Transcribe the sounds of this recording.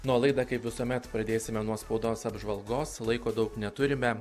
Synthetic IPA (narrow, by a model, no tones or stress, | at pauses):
nuɔlˠɐɪd̪ɐkɐɪpʋʲɪsuɔmʲɛt̪pɾɐd̪ʲeːsʲɪmʲɛnuɔspɐʊd̪oːsɐbʒʋɐlˠɡoːslˠɐɪkoːd̪ɐʊknʲɛt̪ʊɾʲɪmʲɛ